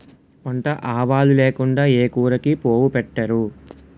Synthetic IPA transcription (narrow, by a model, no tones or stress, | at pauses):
ɐɳʈɐʔaːʋaːluleːkuɳɖaːeːkuːɾɐkipo̞ːwupɛʈːɐɾu